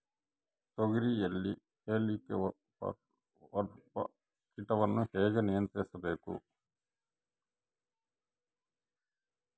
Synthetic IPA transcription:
t̪oɡiɾieɭːi | heːlik | ɐpɐ̰ | kiʈɐʋɐnːuhɛːɡɐnijɐnt̪ɾɛːsɐbeːkṵ

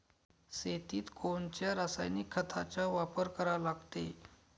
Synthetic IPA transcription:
set̪iːt̪kʰoɳt͡ɕjaɾəsa̰jnikʰːət̪ʰa̰t͡ɕaʋapəɾkəɾalaɡt̪e

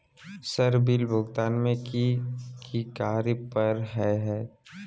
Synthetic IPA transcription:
səɾbilbʱʊɡt̪aːnmẽkikikaːɾipəɾɦɛɦɛː

